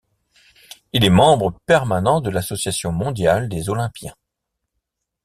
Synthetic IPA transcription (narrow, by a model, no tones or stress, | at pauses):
ilɛmɑ̃bʁəpɛʁmanɑ̃d̪əlasɔsjasjɔ̃mɔ̃d̪jald̪ezɔlɛ̃pjɛ̃